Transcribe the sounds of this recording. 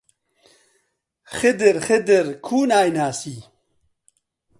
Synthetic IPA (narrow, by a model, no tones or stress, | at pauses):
xɪd̪ɪɾxɪd̪ɪɾkʰuːnaːjnaːsiː